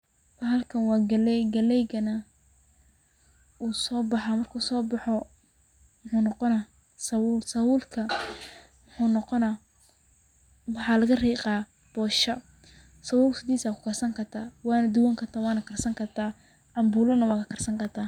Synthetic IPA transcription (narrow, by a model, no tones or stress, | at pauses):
wɐɦɐlkʰɐnwɑːɡɐlɛɡɐlɛjɡɐnɐ | uːsɔːbɑħamɐrkʰuːsɔːbɑħɔ | mʊħuːnɔqɔnɐ | sɐwuːlsɐwuːlkʰɐ | mħuːnɔqɔnɐ | wɑħɑːlɐɣɐriːqɑː | b̥ɔːʃɐ | sɐwuːlsɪd̪iːsaːkʰʊ̥kʰɐrsɐŋkʰɐt̪ʰaːwɑːnɐd̪ʊwaŋkʰɐt̪ʰaːwɑːnɐkʰɐrsɐŋkʰɐt̪ʰaː | ʔɐmbuːlɐnɐwɑːkʰɐkʰɐrsɐŋkʰɐt̪ʰaː